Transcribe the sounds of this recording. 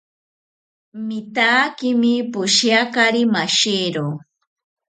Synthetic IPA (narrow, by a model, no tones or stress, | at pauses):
mɪt̪aːkɪmɪpʊʃjakaɾimaʃiɾo